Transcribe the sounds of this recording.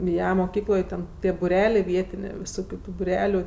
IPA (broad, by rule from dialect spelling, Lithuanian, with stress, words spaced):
ˈjɛ moːˈkʲiːklˠoːj ˈtʲɛn ˈtʲiɛ bʊˈrʲæːlʲɛ ˈʋʲiɛtʲɪnʲeː ʋʲɪˈsoːkʲʊ ˈtuː bʊˈrʲæːlʲʊ